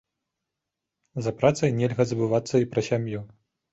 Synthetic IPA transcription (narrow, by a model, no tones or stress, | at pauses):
zɐpɾat̪sɐjnʲɛlʲɣɐzɐbɨvat̪sːɐipɾɐsʲamju